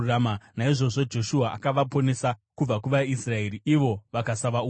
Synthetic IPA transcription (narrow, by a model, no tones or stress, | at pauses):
amanaiʐo̞ʐo̞d͡ʒo̞ʃuaʔa̰kaʋapo̞ne̞sakub͡vakuʋaisrae̞ɾiiʋo̞ʋakasaʋau